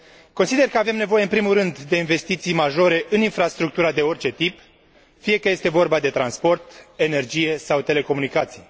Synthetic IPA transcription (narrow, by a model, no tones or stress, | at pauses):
ko̞nsid̪e̞rkəave̞mne̞vo̞je̞ɨmpɾimurɨnd̪ːe̞inve̞st̪it̪sijmaʒo̞ɾe̞ʔɨninfɾast̪ɾuk̚t̪uɾad̪e̞o̞rʲt͡ʃe̞t̪ip | fije̞kəje̞st̪e̞vo̞rbad̪e̞t̪ɾanspo̞rt̪e̞ne̞rd͡ʒije̞sawt̪e̞le̞ko̞munikat̪sij